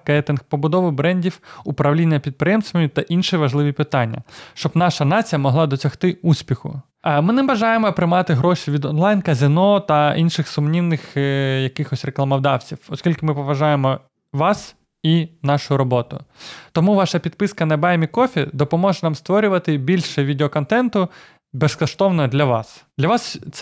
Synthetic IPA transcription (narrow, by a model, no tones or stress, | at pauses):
kɛt̪ɪnxpɔbʊd̪ɔʋɪbɾɛnʲdʲiwʊpɾɐʋlʲinʲːɐpʲid̪̚pɾɪjɛmst̪ʋɔjʊt̪ɐʔinʃiʋɐʒlˠɪʋʲipɪt̪ɑnʲːɐ̰ʃt͡ʃɔbnɑʃɐnɑt͡sʲijɐmɔɦlˠɑd̪ɔt͡sʲɐxt̪ɪusʲpʲixʊ̰ | mɪnɛbɐʒɑjemɔpɾɪmɑt̪ɪɦɾɔʃʲiʋʲid̪ɔnlˠɑjnkɐzʲɪnɔt̪ɐinʃɪxsʊmnʲiwnɪxjɐkɪxɔsʲreklˠɐmɐwd̪ɑwt͡sʲiwɔskʲilʲkɪmɪpɔʋɐʒɑjemɔ | ʋɑs | inɑʃʊɾɔbɔt̪ʊ̰t̪ɔmuʋɑʃɐpʲid̪̚pɪskɐnɐbɑjmʲikɔfʲid̪ɔpɔmɔʒɛnɑmst̪ʋɔɾʲʊʋɐt̪ɪbʲilʲʃɛʋʲid̪eɔkɔnt̪ɛnt̪ʊ | bɛskɐʃt̪ɔʋnɔɦɔd̪lʲɐʋɑsd̪lʲɐʋɑst̪s